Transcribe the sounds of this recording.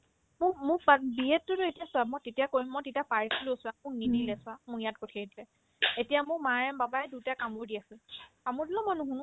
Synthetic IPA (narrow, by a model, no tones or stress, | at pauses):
mʊmʊbabiɛtːʊtʊetijasʊamɔjtetijakoɹimːɔjtetiapaɹisʰilusʊamʊknidilɛsʊamʊjat̚kotʰiatilɛ | etijamʊkmaɹɛmbabaɛdutakamʊɹdiasɛ | amʊɹdilɔ̃mɔjnuɦũnʊ̃